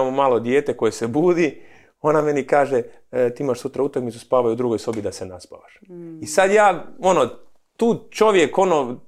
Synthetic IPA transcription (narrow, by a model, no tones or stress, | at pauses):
amomaːlo̞d̪je̞ːt̪e̞ko̞jesebuːd̪i | o̞name̞nikaːʒet̪iːimaʃsut̪ɾaut̪akmit̪uspaːʋajud̪ɾuɡo̞jso̞bid̪asenaspa̰ʋaʃisad̪jaːo̞no | t̪uːt͡ʃo̞ʋje̞ko̞no